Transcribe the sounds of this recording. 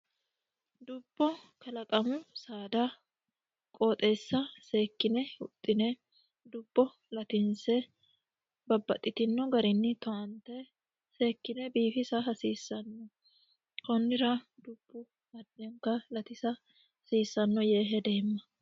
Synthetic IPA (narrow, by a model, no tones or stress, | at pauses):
d̪ʊb̥ːɔkɐlɐkʼɐmʊsaːd̪ɐ | kʼoːt̪ʼe̞ːsːɐse̞ːkːɪnɛʊ̰t̪ʼːɪnɛ | d̪ʊb̥ːɔ | lɐt̪ɪnsɛ | bɐbːɐ̰t̪ʼːɪt̪ɪnːɔɡɐɾɪnːɪt̪ɔʔɐnt̪ɛ | seːkːɪnɛbiːfɪsɐɦɐsiːsːɐnːɔ | kɔnːɪɾɐd̪ʊb̥ːʊ | mɐd̪ːɛŋkːɐlɐt̪ɪsɐ | hɐsiːsːɐnːɔjeːɦɛd̪e̞ːmːɐ